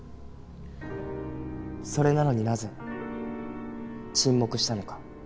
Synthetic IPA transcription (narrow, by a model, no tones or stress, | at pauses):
so̞ɾe̞nano̞ɲ̟inaze̞ | t͡ɕĩmːo̞kɯ̟ɕi̥t̪ano̞kḁ